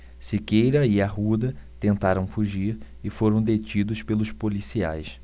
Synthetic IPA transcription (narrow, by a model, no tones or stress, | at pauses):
sɪkejɾɐiaɦud̪ɐt̪ẽnt̪aɾɐ̃w̃fuʒiɾ | ɪfoɾɐ̃w̃d̪et͡ʃid̪ʊspelʊspolisia̰js